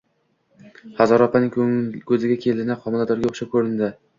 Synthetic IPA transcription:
hazɒɾɒpʰanɪŋkʰɵzɪɡʲakʲʰe̞lɪnɪqʰɒmɪlad̪ɒɾɡʲaoʃap̚kʰɵɾɪnd̪ɪ

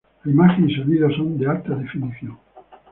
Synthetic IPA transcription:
aimaxenseɣiðasõnd̪ealt̪aðefiniθjõŋ

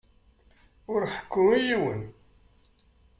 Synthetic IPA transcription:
ʊɾħə̥kːʊijiwə̰n

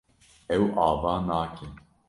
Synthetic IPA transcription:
ɛwʔaːvaːnaːkʰin

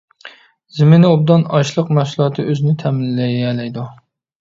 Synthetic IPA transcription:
zɪmɪnob̚d̪ɑnɑʃlˠəqnɑʃlˠɑt̪ʰɨʔøzɪnɪt̪ʰɛmɪlːɛjɛlɛjd̪u

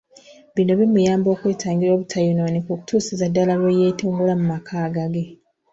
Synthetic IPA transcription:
βino̞βimujaːmbo̞ːkweːtʰaːŋɡiɾo̞ːβutʰajunonikuku̥tʰuːsizadːalalwejeːtuːŋɡulamumakʰaːɡaɡe

